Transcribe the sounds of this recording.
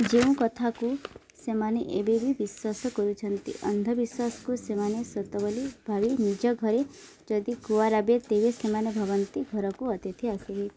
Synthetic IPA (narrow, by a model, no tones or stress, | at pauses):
d͡ʒeũkɔt̪ʰaku | semaneʔebibʱibiswasɔkɔɾut͡ʃʰʌnt̪ḭʔʌ̰nd̪ʱɔbiswasɔ̥kusemanesɔt̪ɔbɔlib̥ʱabinid͡ʒɔɡʱɔɾe | d͡ʒɔd̪ikuwaɾabet̪ebesemanebʱɔʋɔnt̪iɡʱɔɾɔkuɔt̪jɔt̪ʰiasiɦi